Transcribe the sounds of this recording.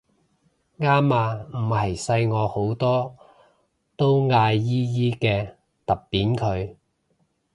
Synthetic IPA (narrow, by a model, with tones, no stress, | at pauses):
ŋaː˥maː˧m̩˨˩hɐ˨˩jsɐ˧jŋɔː˨˧ho˨˥wt̪ɔː˥ | t̪o˥wŋaː˧jːiː˥jiː˥kɛː˧ | t̪ɐ˨˩ppːiː˨˥nkʰɵ˨˧ɥ